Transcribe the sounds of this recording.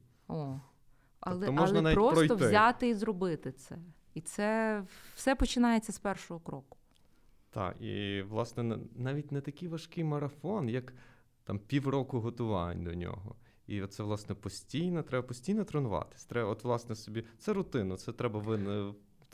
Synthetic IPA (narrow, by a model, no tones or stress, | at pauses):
ɔ | ɐlˠɛɔmɔlʒnɐnɑʋʲitɔpsɾɔjt̪ɔʋ̪zʲat̪ɪizrɔbɪt̪ɪt̪sɛ | it̪sɛwsɛpɔt͡ʃɪnɑjet͡sʲːɐspɛrʃɔɦɔkɾɔkʊ̥ | t̪ɑ̰kḭʋlˠɑsnɛnɛnɑʋʲitʲnɛt̪ɐkɪjʋɐʃkɪjmɐɾɐfɔnjɐk | t̪ɑmpʲiwrɔkʊɦɔt̪ʊʋɑ̰nʲd̪ɔnʲɔ̰ɦɔ̰ | it̪sɛʋlˠɑsnɛpɔsʲtʲijnɐt̪ɾɛbɐpɔsʲtʲijnɔt̪ɾɔnʊʋɑ̰t̪ɪ̥sʲt̪ɾɛbɔt̪ʋlˠɑsnɛsɔbʲit̪sɛɾʊt̪ɪnɐt̪sɛt̪ɾɛbɐʋɪn